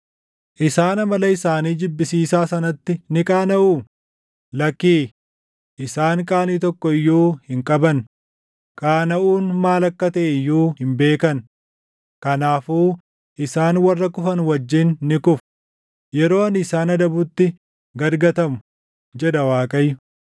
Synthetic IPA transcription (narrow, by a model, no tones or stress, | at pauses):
ʔɪsaːnɐmɐlɐɪsaːniːd͡ʒɪbːɪsiːsaːsɐnɐt̪ːɪnɪkʼaːnɐʔuː | lɐkːiː | ʔɪsaːŋkʼaːniːt̪ɔkːɔɪjːoːhɪŋkʼɐbɐn | kʼaːnɐʔuːnmaːlɐkːɐt̪ɐʔɪjːuːhɪmbe̞ːkɐn | kɐnaːfuː | ʔɪsaːnwɐrːɐkʊfɐnwɐd͡ʒːɪnːɪkʊf | jɛɾo̞ːɐnɪsaːnɐd̪ɐbʊt̪ːɪ | ɡɐɾɡɐt̪ɐmʊ | d͡ʒɛᶑ̪ɐwaːkʼɐjːʊ